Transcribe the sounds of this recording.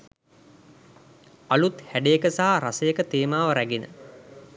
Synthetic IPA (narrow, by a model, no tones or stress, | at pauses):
alut̪hæɖejəkəsaɦaɾasəjəkət̪eːmaːʋəɾæɡinə̰